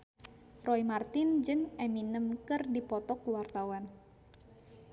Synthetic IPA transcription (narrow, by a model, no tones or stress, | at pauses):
rɔimart̪ɪnd͡ʒɨŋeminəmkɨrdipɔt̪ɔkuwart̪awan